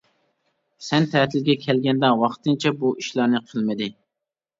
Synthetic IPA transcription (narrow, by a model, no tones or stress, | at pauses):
sɛnt̪ʰɛt̪ʰɪlɡʲɛkʲʰɛlɡʲɛnd̪ɛwɑqt̪ɨnt͡ʃʰɛbuiʃlˠɑɾnɨqʰəlˠmɨd̪ɪ